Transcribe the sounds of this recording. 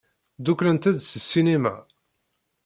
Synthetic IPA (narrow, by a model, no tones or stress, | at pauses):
d̪uklənt̪æd̪səsːinima̰